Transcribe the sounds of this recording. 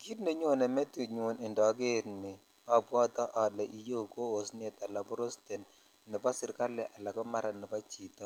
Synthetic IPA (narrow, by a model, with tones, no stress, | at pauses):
ki˦tne˦ɲwo˦nɛ˨mɛ˦ti˨ɲo˨nɪ˨ndɔ˨˦ɡe˦˨ɾmɪ˨ | ɔ˨bwɔ˦t̪ɔ˦ʔɔ˨dɛ˨ʔi˨jo˦˨ko˦o˨sne˦t̪a˨la˨bɔ˦ɾo˦ste˨n | nɪ˨pa˦sɪ˦ɾka˦lɛ˨ʔa˨la˨kɔ˦ma˦ɾa˨nɪ˨pa˦t͡ʃi˨t̪ɔ˦